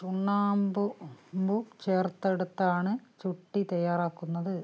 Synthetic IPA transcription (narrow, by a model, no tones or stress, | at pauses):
t͡ɕuɳːaːmbumbut͡ɕeːrt̪ːɐɽut̪ːaːɳɨt͡ɕuʈːit̪ɐjːaːɾaːkːunːɐðɨ